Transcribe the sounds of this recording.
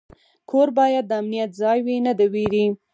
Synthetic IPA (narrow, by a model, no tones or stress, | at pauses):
kʰoɾbɑjad̪̚ːəamnijat̪̚zɑjwinəd̪aweɾi